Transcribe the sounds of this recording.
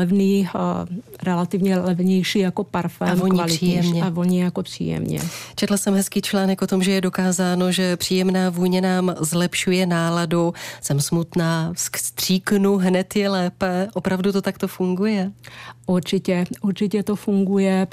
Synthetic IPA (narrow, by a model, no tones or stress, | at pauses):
ɛvniːx | ɾɛlat̪ɪvɲɛlɛvɲɛjʃiːjakopaɾfɛmoɲkalɪiɛmɲɛavoɲɛjakopr̥ḭːjɛ̰mɲɛ̰t͡ʃɛt̪lasɛmɦɛskiːt͡ʃlaːnɛkʔot̪o̞mʒɛjɛdo̞kaːzaːnoʒɛpr̝̥iːjɛmnaːvuːɲɛnaːmzlɛpʃujɛnaːladusɛmsmut̪naːsst̪r̥iːknuɦnɛt̪jɛlɛːpɛʔopɾavdut̪ot̪akt̪ofuŋɡujɛʔuɾt͡ʃɪcɛʔuɾt͡ʃɪcɛt̪ofuŋɡujɛ